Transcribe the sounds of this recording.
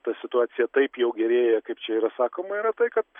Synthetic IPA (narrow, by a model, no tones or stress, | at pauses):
t̪ɐsʲɪt̪ʊɑːsʲɪjɛt̪ɐɪpjɛʊɡʲɛɾʲeːjɛkɐɪpt͡ʃʲɛiːɾɐsɑːkoːmɐiːɾɐt̪ɐɪkɐt̪